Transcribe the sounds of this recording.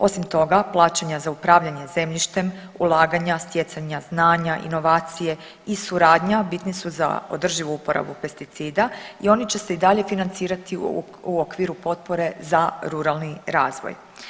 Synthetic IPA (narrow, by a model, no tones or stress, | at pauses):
o̞simt̪o̞ɡaplˠaːt͡ɕaɲazaupɾaːʋʎaɲe̞ze̞mʎiʃt̪e̞m | ulˠaːɡaɲast̪je̞t̪saɲaznaːɲaʔḭno̞ʋaːt̪sije̞ | isuɾaːd̪ɲabit̪nisuza̰o̞̰d̪r̩ʒiʋuupo̞ɾa̰bupe̞st̪it̪siːd̪aio̞nit͡ɕe̞se̞id̪aʎe̞finant̪siːɾat̪i | uokʋiːɾupo̞t̪̚po̞ɾe̞zaɾuɾalˠniɾaːzʋo̰j